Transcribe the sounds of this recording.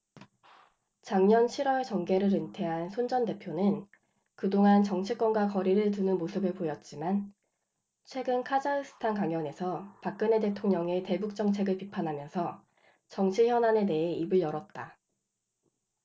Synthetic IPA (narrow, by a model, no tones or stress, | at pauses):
t͡ɕaŋɲʌnt͡ɕʰiɾwʌɭt͡ɕʌŋɡe̞ɾɯɾɯntʰe̞ɦansʰond͡ʑʌnde̞pʰjonɯn | kɯdoŋant͡ɕʌŋt͡ɕʰik͈wʌnɡwakʌɾiɾɯɭt̬unɯnmosʰɯbɯɭpojʌt̚t͡ɕ͈iman | t͡ɕʰwe̞ɡɯnkʰad͡ʑaɯsʰɯ̥tʰankaŋjʌne̞sʰʌpak̚k͈ɯne̞te̞tʰoŋɲʌŋe̞te̞buk̚t͡ɕ͈ʌŋt͡ɕʰe̞ɡɯɭpipʰanɦamjʌnsʰʌ | t͡ɕʌŋt͡ɕʰiçjʌnane̞ne̞ɦeibɯɭjʌɾʌt̚t͈a